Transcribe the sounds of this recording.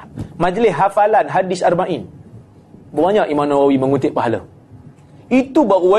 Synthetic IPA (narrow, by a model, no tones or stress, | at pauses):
mãd͡ʒlɪsɦafalanɦadɪsarmãʔin | bəmaɲãʔimãmnawawiməŋut̪ɪʔ̚paɦalə̰ | it̪ubaɣuwa